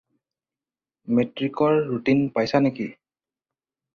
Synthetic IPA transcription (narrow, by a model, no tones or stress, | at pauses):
metɹikɔɹːutinpajsaneki